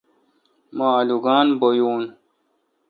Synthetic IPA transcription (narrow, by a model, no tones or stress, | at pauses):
maːluɡaːnbojuːn